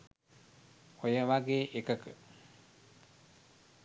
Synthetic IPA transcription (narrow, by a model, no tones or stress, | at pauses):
ojəʋaɡeːʔekəkə